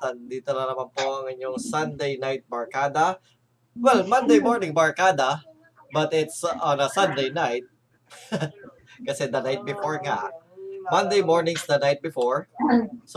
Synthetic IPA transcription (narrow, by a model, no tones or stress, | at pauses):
sɐnd̪iːt̪onɐnɐmanpoʔɐŋɪɲoŋsɐnd̪ejnajt̪̚bɐɹkaːd̪ɐ | wɛlmɐ̃nd̪ejmoɹnɪŋbɐɹkaːd̪ɐ | bɐt̪ɪt̪sʔonɐsɐnd̪ejnajt̪̚ | kɐsɛd̪ɐnajt̪̚bɪfoɹŋa̰ʔmɐ̃nd̪ejmoɹnɪ̃ŋsd̪ɐnajt̪̚bɪfoɹs